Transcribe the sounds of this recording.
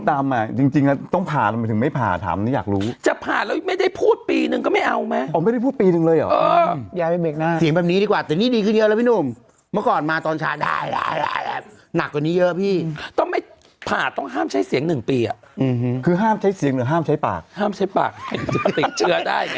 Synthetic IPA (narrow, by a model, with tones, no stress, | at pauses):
t̪aː˧ma˧˩t͡ɕi˧ŋt͡ɕi˧ŋa˧˥t̪ɔ˥˩ŋpʰaː˨˩˨ma˧t̪ʰɯ˩˦ma˥˩jpʰa̰ː˨˩t̪ʰa̰ː˩˦mniː˦˥˩jaː˨˩k̚ɾuː˦˥t͡ɕa˨˩pʰaː˨˩nlɛː˦˥wma˥˩jda˥˩jpʰuː˥˩t̪̚piː˧nɯ˧ŋkɔː˥˩ma˥˩jʔa˧wma˦˥ɔ˧˦ma˥˩da˥˩pʰu˥˩t̪piː˧nɯ˧ŋlɤː˧jʔɔ̰˨˦ʔəː˧ja˨˧˩pa˧be˨˩k̚naː˥˧˩si˨˩˦ŋbɛː˨˩niː˦˥diː˧kwaː˨˩t̪ɛː˨˩niː˥˩diː˧kʰɯ˥˩njʔla˦˥pʰiː˥˩noː˧˩m | mɯ˥˩ɐkɔː˨˩nmaː˧t̪ɔː˧nt͡ɕʰa̰ː˦˥da̰ː˥˩jda̰ː˥˩ja̰ː˥˩jʔa̰˨˩ | na˨˩k̚ːwa˨˩niː˦˥jɤ˦˥ʔpʰiː˥˩t̪ɔ˥˩ŋma˥˩j | pʰaː˨˩t̪ɔ˥˩ŋɦaː˥˩mt͡ɕʰa˦˥jsi˨˩˦əŋnɯ˨˩ŋpiː˧a˨˩˧kʰɯː˧ɦaː˥˩mt͡ɕʰa˦˥jsi˨˩˦əŋɯ˨˦ɦaː˥˩mt͡ɕʰa˦˥jpa̰ː˨˩k̚haː˥˩mt͡ɕʰa˦˥jpa̰ː˨˩k̚t͡ɕa˨˩t̪i˨˩t͡ɕʰɯ˦˥ɐda̰ː˥˩j